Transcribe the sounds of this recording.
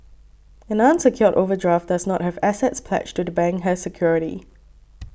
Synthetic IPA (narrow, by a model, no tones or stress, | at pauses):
ɛ̃nãnsəkʰjɔtovədɹaf̚daznɔt̚hɛvɛsəntspʰlɛ̰t͡ʃd͡ʒtudəbɛ̃ŋɦəsəkʰjɔɹɪɾḭ